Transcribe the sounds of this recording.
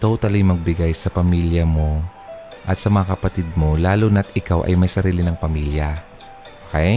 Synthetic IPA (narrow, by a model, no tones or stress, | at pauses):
t̪owt̪ɐlɪŋmɐɡ̚bɪɡajsɐpɐmiːljɐmo̞ | ʔɐt̪sɐmɐŋakɐpɐt̪ɪd̪̚mo̞laːlonɐt̪ɪkawʔɐ̰jmɐjsɐɾiːlɪnɐŋpɐmiːljɐ | ookej